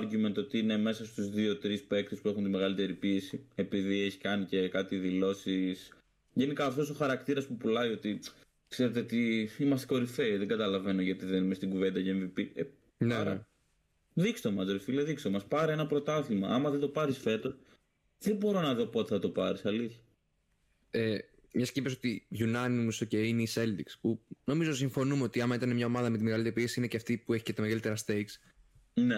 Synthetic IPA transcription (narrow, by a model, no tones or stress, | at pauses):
ɾʝume̞nt̪o̞t̪iine̞me̞sɐst̪uzðio̞t̪ɾispe̞k̚t̪uspue̞xunt̪ime̞ɣɐlit̪e̞ɾipie̞sie̞piðie̞çi̥kɐnice̞kɐt̪iðilo̞sis | ʝe̞nikɐːft̪o̞s̬o̞xɐɾɐkt̪iɾɐspupulɐio̞t̪i | kseɾe̞t̪eot̪iimɐst̪eko̞ɾifeiðeɡɐt̪ɐlɐve̞no̞ʝɐt̪iðenimest̪iɡuve̞nd̪ɐceeɱvipie | ɐ̰ | ðikst̪omɐzðelfileðikst̪omɐspɐɾienɐpɾo̞t̪ɐθimɐʔɐmɐðend̪opɐɾisfe̞t̪os | ðebo̞ɾo̞nɐðo̞pːt̪iθɐt̪o̞pɐɾisɐliθɐ | e | mɲɐscipeso̞t̪iʝunɐnimusoceineise̞ld̪ikspuno̞mizo̞siɱfo̞numeo̞t̪iɐmɐit̪ɐnemɲɐo̞mɐðɐme̞t̪imeɣɐlit̪eɾipiesiineceft̪ipue̞çi̥cet̪ɐme̞ɣɐlit̪eɐst̪ejks | ne